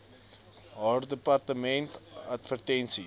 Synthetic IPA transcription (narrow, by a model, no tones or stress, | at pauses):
ɦaːrdəpɐrtəmɛntɐtfərtɛnsi